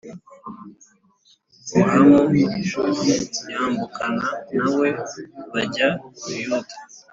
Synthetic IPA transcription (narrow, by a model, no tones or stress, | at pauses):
hamoʃozijaːmbukʰananawe̞βaɟaujutḁ